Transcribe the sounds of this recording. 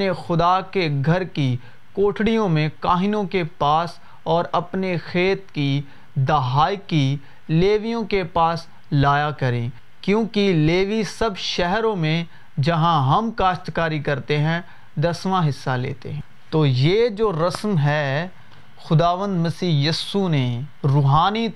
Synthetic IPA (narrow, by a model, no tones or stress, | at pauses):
nexʊd̪akeɡʱɐɾki | koːʈʰɽijõmẽkaːɦɪnõkepaːs | ɔːɾɐpnexeːt̪ki | d̪ɐɦaːiki | leːʋijõkepaːs | laːjakɐɾẽː | kjõːkileːʋisɐbʃɛɦɾõmẽ | d͡ʒɐɦãɦɐmkaːʃt̪kaːɾikɐɾt̪eɦɛ̃ | d̪ɐsʋãɦɪsːalḛːt̪ḛɦɛ̃ | t̪oːjeːd͡ʒoːɾɐsmɦɛ | xʊd̪aːʋə̃nd̪mɐsiːɦjɐsuneɾʊːɦaːni